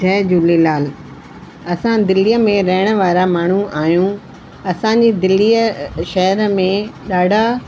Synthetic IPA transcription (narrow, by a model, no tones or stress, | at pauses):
ɛːd͡ʑuːlilaːl | ɐsãd̪ɪliːəmẽɾɐɦɪɽ̃ə̆ʋaːɾamaːɳ̤uʔaːjũ | ɐsãɲ̆d͡ʑeːd̪ɪlːijəʃɐɦəɾmẽɗaːɖʱa